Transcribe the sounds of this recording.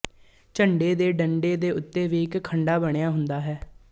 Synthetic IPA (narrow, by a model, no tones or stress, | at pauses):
t͡ʃəɳɖeːd̪eːɖəɳɖeːd̪eːʊt̪ːeːʋiːɪkkʰːəɳɖaːbəɳ̃ejaːɦʊnd̪aːɦɛː